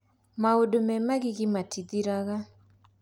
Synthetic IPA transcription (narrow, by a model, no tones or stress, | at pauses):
maodomɛmaɡɪɡɪmatid̪iɾaɣa